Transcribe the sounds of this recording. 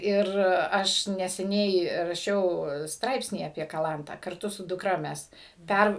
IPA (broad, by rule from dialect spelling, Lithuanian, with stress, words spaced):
ˈɪr ˈɐʃ nʲɛsʲɛˈnʲɛɪ rɐˈʃʲɛʊ ˈstrɐɪpʲsʲnʲiː ɐpʲiɛ kɐˈlˠɐntɑː kɐrˈtʊ sʊ dʊˈkrɐ ˈmʲɛs ˈpʲær